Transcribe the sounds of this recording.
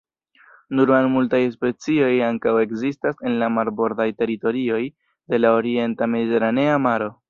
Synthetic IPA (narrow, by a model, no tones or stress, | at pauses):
nuɾanmultajspe̞t͡sio̞jaŋkawe̞kzistase̞nlamaɾbo̞ɾdajte̞ɾito̞ɾio̞j | de̞lao̞ɾie̞ntame̞d̪ite̞ɾane̞amaɾo